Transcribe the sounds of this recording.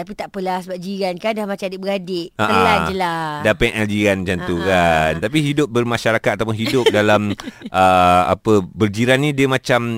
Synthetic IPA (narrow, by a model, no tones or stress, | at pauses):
t̪apit̪aʔpəlasəbap̚d͡ʒiɾankandahmat͡ʃadibəɡadɪʔaəʔaad͡ʒəladapɛʔɛld͡ʒiɾand͡ʒant̪ukant̪apiɦidʊp̚bərmaʃaɾakat̪̚at̪awp̬ʊnɦidʊp̚dalamʔəa̰pəbərd͡ʒiɾanːĩdiəmãt͡ʃam